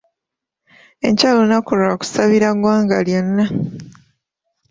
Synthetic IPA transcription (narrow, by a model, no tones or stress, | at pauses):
e̞̰ɲcaːlo̞nakolraku̥saβiɾaɡwaːŋɡaljonːa